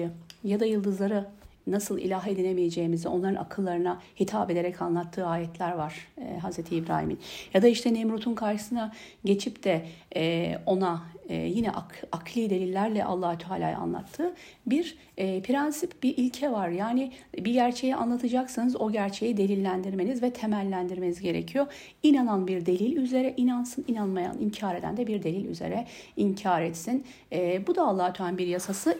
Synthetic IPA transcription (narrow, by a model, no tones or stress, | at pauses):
ɯjad̪ajɯlˠd̪ɯzlˠaɾɯnasɯlˠḭlʲaɦe̞d̪inemijed͡ʒe̞jimizɛo̞nlˠaɾɯna̰kʰɯlˠːaɾɯnahit̪ʰaped̪e̞ɾɛcʰanlˠat̪ʰːɯːaːjɛt̪ʰlʲæɾvaɾ̥ɦazɾet̪ʰiibɾa̰ːhḭmḭnjad̪aiʃt̪ʰɛnemɾut̪ʰunkʰaɾʃɯ̥sɯna | ɟe̞t͡ʃʰipt̪ʰɛ | o̞na̰jinɛʔakakʰlʲˠiːd̪e̞lʲilʲːæɾlʲɛ̰ʔa̰lˠːaːhut̪ʰaːlʲa̰ːj̰a̰nlˠa̰t̪ʰːɯː | biɾ | pʰɾɛnsipbiʔilʲcʰɛvaɾjaːnibiɟæɾt͡ʃʰe̞jiʔa̰nlˠat̪ʰɯd͡ʒaksɯnɯzo̞ɟæɾt͡ʃʰe̞jid̪e̞lʲilʲːænd̪iɾme̞nizvɛt̪ʰemælʲːænd̪iɾme̞nizɟe̞ɾḛcʰijoɾ | inananbiɾd̪e̞lʲilʲyze̞ɾɛʔinansɯninanmaja̰nḭɲcʰaːɾed̪æ̰nd̪ɛbiɾd̪e̞lʲilʲy̰ze̞̰ɾɛiɲcʰaːɾɛt̪sin | bud̪aːlˠːaːhut̪ʰaanbiɾjasasɯ